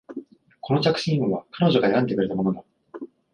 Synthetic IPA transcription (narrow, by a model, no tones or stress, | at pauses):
kʰo̞no̞t͡ɕakɯ̟̥ɕĩɯβakʰano̞ʑo̞ɡaeɾãnd̪e̞kɯɾe̞t̪amo̞no̞d̪a